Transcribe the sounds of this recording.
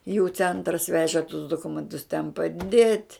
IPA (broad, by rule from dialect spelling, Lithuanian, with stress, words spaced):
juː ˈt͡sʲɛntrɐs ˈʋʲæːʒʲɪ tʊs dʊˈkʊmʲɛntʊs tʲɛn pɐˈdʲeːtʲ